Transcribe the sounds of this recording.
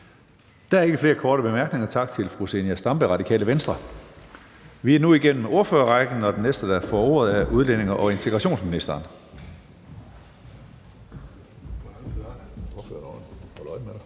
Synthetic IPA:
d̥ææɐe̝ɡəfle̝ːɐkʰɒːɾəb̥e̝mæɐɡ̥ne̝ŋɐt͡sʰɑ̈ɡ̥̚t͡sʰe̝lfʁusenæsd̥ɑ̈mb̥əʁɑ̈d̥ikʰɛ̰ːləʋensd̥ʁɐ | ʋiænuiɡ̥en̰m̩o̝ɐføːɐʁɑɡ̥n̩ɒ̽d̥enːesd̥əd̥æɐfɒːo̝̰ɐð̞̩ˠæʔuð̞ˠlen̰e̝ŋɐʔɒ̽e̝nt͡sʰe̝ɡ̥ʁɑ̈ɕo̝̰ːnsminisd̥ɐːn | oɐføɐɔhɔlɒɪme

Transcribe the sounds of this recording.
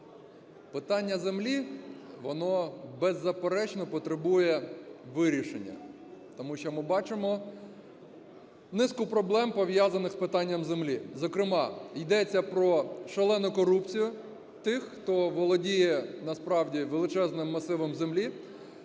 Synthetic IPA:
pɪt̪ɑnʲːɐzemlʲiʋɔnɔbɛzːɐpeɾɛt͡ʃnɔpɔt̪ɾebujɛʋɪɾʲiʃḛnʲːɐ̰ | t̪ɔmuʃt͡ʃɔmɪbɑt͡ʃɪmɔ | nɪskʊpɾɔblˠɛmpɔʋjazɐnɪxspɪt̪ɑnʲːɐmzemlʲizɔkɾɪmɑjd̪ɛt͡sʲːɐpɾɔʃelˠɛnɔkɔɾupt͡sʲijʊ | t̪ɪxːt̪ɔʋɔlˠɔdʲijɛnɐspɾɑwdʲiʋelˠɪt͡ʃɛznɪmːɐsɪʋɪmzemlʲi

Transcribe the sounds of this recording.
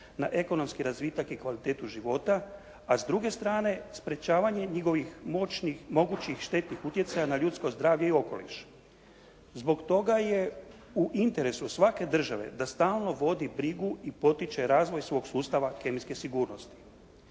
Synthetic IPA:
naʔe̞ko̞no̞mskiɾazʋit̪akikʋalit̪e̞ːt̪uʒiʋo̞t̪aː | zd̪ɾuɡe̞st̪ɾaːne̞spɾe̞t͡ɕaːʋaɲe̞ɲiɡo̞ʋixmoimo̞ɡut͡ɕixʃt̪e̞t̪nixut̪je̞t̪sajanaʎut̪sko̞zd̪ɾaːʋjeio̞ko̞lḭʃ | zbo̞kt̪o̞ɡaje̞ | uʔint̪e̞ɾe̞susʋake̞d̪r̩ʒaʋe̞̰d̪ast̪aːlˠno̞ʋo̞d̪ibɾiɡuipo̞t̪it͡ʃe̞ɾaːzʋo̞jsʋo̞ɡsuːst̪aʋake̞miske̞siɡuːɾnost̪i̥

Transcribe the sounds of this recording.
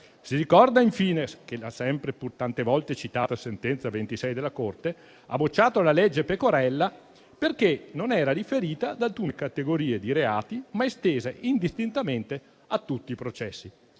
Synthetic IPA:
siɾikɔrd̪aiɱfiːnesk̟elasːɛmpɾepurt̪ant̪evɔlt̪et͡ʃit̪aːt̪asent̪ɛnt̪savent̪isɛjd̪elakort̪e | a̰bot͡ʃːaːt̪oalalɛd͡ʒːepekoɾɛlːa | perk̟enonɛːɾaɾifeɾiːt̪ad̪alkuːnekat̪eɡoɾiːed̪iɾeaːt̪imaest̪eːzeʔind̪ist̪int̪ament̪e | at̪ːut̪ːiːpɾot͡ʃɛsːi

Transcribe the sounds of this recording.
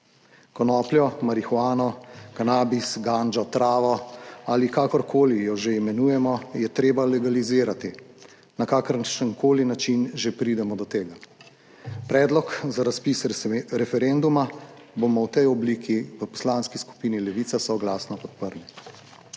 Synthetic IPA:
kɔnɔːpljɔmaɾixwaːnɔkanaːbisɡaːnd͡ʒɔt̪ɾaːʋɔalikakɔɾkʰoːlijɔʒeimɛnuːjɛmɔjɛt̪ɾeːbalɛɡaliziːɾat̪i | nakaːkəɾnʃənkoːlinat͡ʃinʒepɾiːd̪ɛmɔd̪ɔt̪eːɡa | pɾɛːd̪lɔkzaɾaspisɾɛfɛɾend̪uma | bomɔwt̪ɛjɔbliːkʰiʋəpɔ̥slaːnskisku̥piːnilɛʋiːt̪sasɔɡlaːsnɔpɔt̪pəɾni

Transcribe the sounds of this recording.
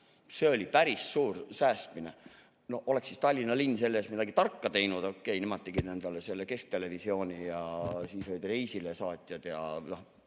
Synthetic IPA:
se̞o̞lʲipæɾisːuːrsæːst̪mine | no̞hʔole̞ksːist̪ɑlʲːinɑlinːse̞lːeːsmid̪ɑɡit̪ɑrkːɑt̪e̞jnud̪okːˑe̞jnemɑt̪ːˑiɡ̥inend̪̥ɑlese̞lːeke̞sk̚t̪e̞le̞visio̞ːnʲijɑsiːsojd̪rejsilesɑːt̪ʲˑjɑd̪̥jɑ̰no

